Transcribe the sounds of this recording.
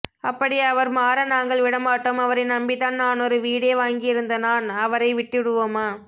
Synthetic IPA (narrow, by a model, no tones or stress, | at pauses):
ɐpːɐɽɪɐʋɐɾmaːɾɐnaːŋɡɐɭʋɪɽɐmaːʈːɐmɐʋɐɾɐɪnɐmbɪðaːnnaːnɔɾɯʋiːɽeːʋaːŋɡɪjɪɾɯnd̪ɐnaːnɐʋɐɾɐɪʋɪʈːɪɽɯʋoːmaː